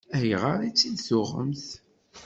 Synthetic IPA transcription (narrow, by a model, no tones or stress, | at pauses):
æjʁəɾˤit͡sːid̪θʊʁːə̰mθ